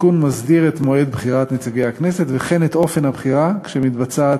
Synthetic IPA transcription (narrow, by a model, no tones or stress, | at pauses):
kunmazdiʁet̪moed̪bχiʁat̪net͡saɡejhakneset̪veχenet̪ʔo̞fe̞nhabχiʁakʃemit̪bat͡sat